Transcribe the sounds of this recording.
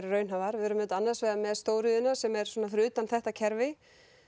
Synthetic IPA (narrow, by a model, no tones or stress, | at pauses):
ɾrœːɥnɦavaɾvɪɛɾʏmɛnt̪anːaɾsvɛːðamɛðst̪oːwɾʏðɪnasɛmɛɾ̥sɔːnafɾʏːt̪anθɛht̪acʰɛɾvɪ